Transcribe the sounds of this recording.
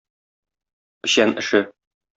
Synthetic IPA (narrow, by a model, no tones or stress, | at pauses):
ɘ̆ɕænɘ̆ʃɘ